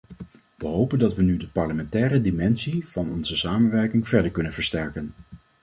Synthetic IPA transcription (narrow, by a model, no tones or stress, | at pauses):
ʋəɦowpəndɑtʋənydəpɑɹləmɛntɛːrədimɛnsiv̥ɑnɔnzəsaːmənʋɛɹkɪŋv̥ɛɹdəɹkɵnənvəɹstɛɹkən